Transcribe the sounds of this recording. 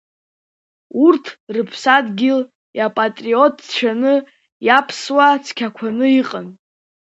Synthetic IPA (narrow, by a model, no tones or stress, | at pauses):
urtʰrɨpʰsadɡʲɪl | japʼatʼriotʰt͡ʃʷʰanɨ | japʰswat͡sʰkʲʰakʷʰanɨiqʼən